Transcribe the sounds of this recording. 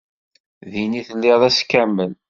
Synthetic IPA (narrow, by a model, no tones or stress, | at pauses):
ðiniθəlːɪʁðæskːæmːən